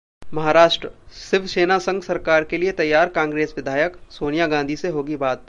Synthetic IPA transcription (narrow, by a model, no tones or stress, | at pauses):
mɐɦaːɾaːʃʈɾəsɪʋseːnasɐ̃ŋɡsɐɾkaːɾkeliet̪ɐjːaːɾkãːŋɡɾeːsʋɪd̪ʱaːjəksoːnijaɡãːnd̪ʱiseɦoːɡibaːt̪